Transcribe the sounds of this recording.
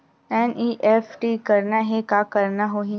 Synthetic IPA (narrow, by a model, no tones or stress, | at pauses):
ɛːnʔiːʔɛːfʈikɐɾnaɦɛkaːkɐɾnaɦoːɦĩ